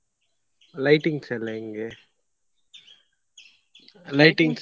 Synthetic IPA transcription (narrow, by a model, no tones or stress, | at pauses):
lɐɪʈɪŋɡsɛleːŋɡeː | lɐɪʈɪŋɡs